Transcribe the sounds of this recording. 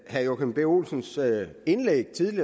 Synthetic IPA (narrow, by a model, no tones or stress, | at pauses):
hæjokʰenb̥e̝o̝̰lsənse̝nleɡ̥̚t͡sʰiðˠli